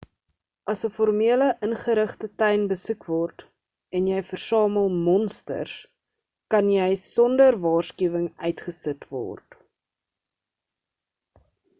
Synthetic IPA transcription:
ʔɐsəfɔrmiələʔənχəɾəχtətɛɥnbəsukvɔrt | ɛnjɛjfərsɑːməlˠmɔnstə̰rs | kɐnjɛjsɔndərvɑːrskyəvəŋœɥtχəsətvɔ̰rt

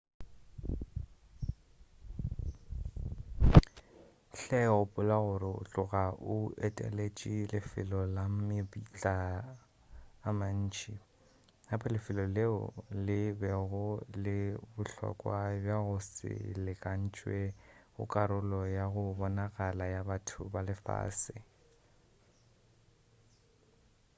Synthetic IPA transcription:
ɬɛɣʊpʼʊlaɣʊɾɪʊ̰t͡ɬʼʊɣaʔʊɛtʼḛlet͡ʃʼilɪfɪ̰lɔlamɪpit͡ɬʼa | man̩ːt͡ʃʰʼi | hapʰalɪfɪlɔleʊ̰lɪbɛɣʊlɪbʊɬɔ̰kʼwabjaɣʊsɪ̰lɪkʼan̩t͡ʃʼweɣʊ̰kʼaɾʊlɔjaɣʊbɔnaɣʼalajabatʰʊbalɪfa̰ːsɪ

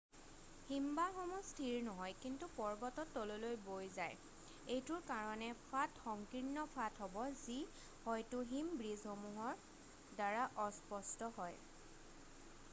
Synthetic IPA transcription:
himbaxɔmustʰiɹnɔɦɔjkintupɔɹbɔtɔtːololojbojzaj | ejtʊɹkaɹɔnɛpʰatxɔŋkiɹnːɔpʰatɦɔbɔzi | hɔjtʊɦimbɹizhomuɦɔɹ | daɹaʔɔspɔstɔɦɔj

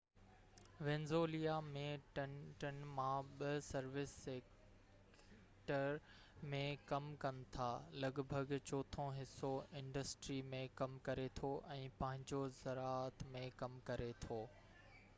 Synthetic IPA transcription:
ʋẽnzoːlijamẽʈʈɐn̆mãɓɐsɐɾʋɪsːeːk | ʈəɾ | mẽkɐmkɐnɪ̆t̪ʰaːlɐɡbʱəɡt͡ɕoːt̪ʰõɦɪsːoɪ̃ɳɖəsʈɾimẽkɐmkɐɾet̪ʰoʔɛ̃ːpɐ̃ɦɪ̃ɲd͡ʑozɐɾaːət̪mẽkɐmkɐɾet̪ʰoː

